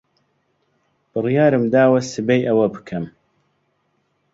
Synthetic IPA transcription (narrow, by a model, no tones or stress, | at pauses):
b̥ɨrjaːɾɨmd̪aːwɐsɨbɐjʔɐwɐbɨkʰɐm